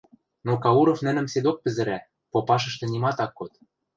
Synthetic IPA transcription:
nokɑuɾofnɘ̆nɘ̆msed̪ok̚pɘ̆zɘ̆ɾæ | popɑʃ̬ɤ̆ʃt̪ɤ̆nimɑt̪ɑkːot̪̚

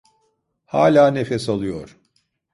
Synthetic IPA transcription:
haːlʲaːnefesalˠujoɾ̥

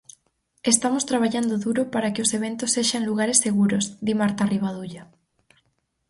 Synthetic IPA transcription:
est̪amost̪ɾaβ̞aʎand̪ʊðuɾopaɾakeoseβ̞ent̪osːeʃaŋluɣaɾesːeɣuɾozðimaɾt̪ariβaðuʎa

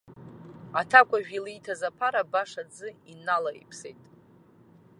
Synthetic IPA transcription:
atʰakʷʼaʒᶣilijtʰazapʰaɾabaʂad͡zɨinalaḭpʰsḛjtʼ

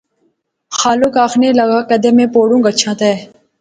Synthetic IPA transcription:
xaːlukaːxneːlɐɡaːkɐd̪eːmẽːpoːɽũːŋɡət͡ʃʰãːt̪ɛː

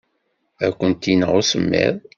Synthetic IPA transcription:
ækʷːənt̪inəʁʊsəmːḭðˤ

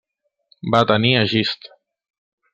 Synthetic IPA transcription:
bat̪əniəʒist̪

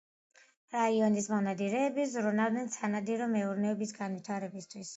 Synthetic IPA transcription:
ɾaiɔnismɔʁnad̪iɾɛːbizɾunalˠnɛnsanad̪iɾɔmɛuɾnɛɔbisɡanwit̪ʰaɾɛbist̪ʰwis

